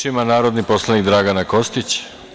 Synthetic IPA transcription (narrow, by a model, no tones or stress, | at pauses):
imanaːɾo̞d̪nipo̞slˠanikd̪ɾaɡanako̞st̪it͡ɕ